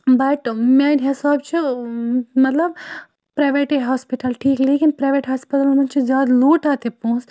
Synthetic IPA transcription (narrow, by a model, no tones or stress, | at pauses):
bɐʈmaːnɦesaːb̚t͡ʃʰu | mɐt̪lɐb̚ | pɾajʋeʈeɦaːspiʈɐlʈʰiːkleːkinpɾajʋeʈɦaːspiʈɐlmɐnt͡ʃʰizjaːd̪luːʈaːt̪epõːs